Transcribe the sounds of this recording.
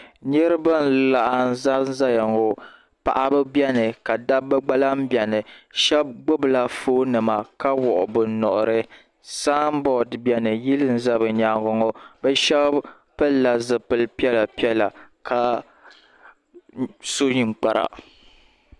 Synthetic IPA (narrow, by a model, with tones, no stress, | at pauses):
ɲɛ˦ɾɨ˦ba˦n˨la˨ʔa˨n̩˦za˦n˦za˦ja˨ŋo˨ | pa̰˨ʔa˦bɨ˦bjɛ˦nɨ˨ka˨da˦bɨ˦ɡ͡ba˦la˦mbjɛ˨nɨ˨ʃɛ˦b̚ɡ͡bʊ˦bɨ˨la˨foː˦nɨ˨ma˨ka˦wɔ˨ʔʊ˨bɨ˨nɔ˨ʔʊ˨ɾɨ˦ | saː˦m˦bɔ˨dbjɛ˨nɨ˨ji˦lɨ˦n̩˦za˦bɨ˨ɲa˨ɡɔ˨ŋɔ˦bɛ˦ʃɛ˦b | pɨ˦la˨zɨ˨pɨ˦lpi˦ɛ˦la˨pi˦ɛ˦la˨kʰa˦ | so˦ɲi˨ŋ͡mk͡pa˨ɾa̰˨